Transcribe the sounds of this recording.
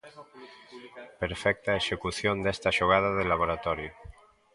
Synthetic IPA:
peɾfɛk̚t̪aeʃekuθjond̪ɛst̪aʃoɣ̞að̞aðelaβ̞oɾat̪ɔɾjo

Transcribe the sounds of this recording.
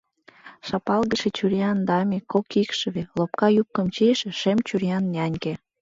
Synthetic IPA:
ʃɑpɑlɣəʃet͡ɕuɾjɑnd̪ɑmʲekokikʃəβelop̚kɑjup̚kə̆mt͡ɕiʃeʃemt͡ɕyɾijɑnːʲɑnʲke

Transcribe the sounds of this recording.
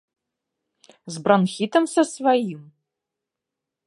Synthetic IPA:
zbranxʲit̪ɐmsɐsvajim

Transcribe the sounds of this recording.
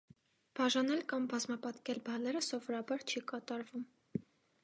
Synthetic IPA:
b̥ɑʒɑnɛlkɑmbɑzmɑpɑt̪kɛlbɑlɛɾəsɔvɔɾɑbɑɾt͡ʃʰikɑt̪ɑɾvum

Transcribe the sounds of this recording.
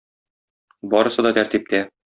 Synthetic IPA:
bɒɾɤ̆sɤd̪ɒt̪æɾt̪ip̚t̪æ

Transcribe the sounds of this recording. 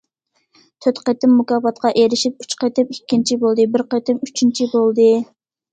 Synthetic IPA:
t̪ʰøt̪qət̪ɪmːukɑːfɑt̪qʰɑʔeɾɪʃip̚y̥t͡ʃqʰet̪ɪmikʲːint͡ʃʰibolˠd̪ɨbɪɾqet̪ɪmyt͡ʃʰint͡ʃʰibolˠd̪ɨ

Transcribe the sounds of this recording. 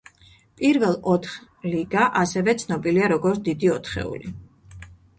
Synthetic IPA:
pʼiɾvɛlˠɔt̪ʰχ | liɡaʔasɛvɛt̪sʰnɔbiliaɾɔɡɔɾt̪ʰd̪id̪iɔt̪ʰχɛ̰ṵli

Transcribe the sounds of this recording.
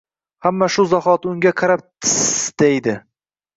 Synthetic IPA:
hamːaʃʊzahɒt̪ʊŋɡʲaqʰɑɾap̚t̪ʰɪsd̪̥ejd̪ɪ

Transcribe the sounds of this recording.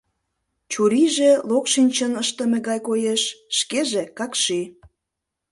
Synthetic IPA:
t͡ɕuɾiʒelokʃinʲt͡ɕənəʃt̪ə̆meɣɑjkojeʃːkeʒekɑkʃi

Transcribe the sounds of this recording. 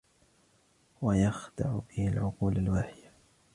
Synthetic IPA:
wajaxd̪ɑ̰ʕbɪhalʕʊquːlalwaːħɪd̪a

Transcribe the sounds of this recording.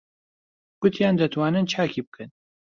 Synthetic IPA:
ɡ̥ʊt̪ʰjaːnd̪ɐt̪ʰwaːnɨnt͡ʃʰaːkʰibɨkʰɨn

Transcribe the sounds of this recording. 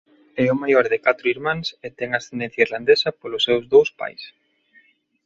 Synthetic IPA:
ɛʊmajɔɾðɪkat̪ɾʊiɾmãŋset̪ɛŋasθend̪ɛ̃n̟θjaiɾland̪esɐpolʊsːewzðowspa̰js

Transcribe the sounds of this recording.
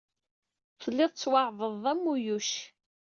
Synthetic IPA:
θəlːɪðˤt͡sːwɑʕðˤəðˤæmːujuʃ

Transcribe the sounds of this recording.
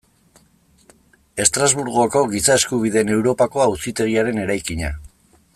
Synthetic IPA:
e̞st̪ɾazβuɾɣo̞ko̞ɣisaeskuβ̞iðe̞ne̞wɾo̞pako̞ausit̪e̞ɣiaɾe̞ne̞ɾajkiɲa̰

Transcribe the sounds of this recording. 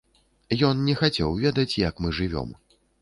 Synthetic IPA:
jɔnnʲɛxat͡sʲɛwvʲɛd̪ɐt͡sʲjɐkmɨʐɨvʲɔ̰m

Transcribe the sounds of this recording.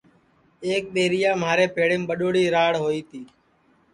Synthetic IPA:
eːk̚ɗ̪eːɾɪjaːmaːɾeːpeːɽeːmɓəɗoːɽiːɾaːɽɦoːiːt̪ʰiː

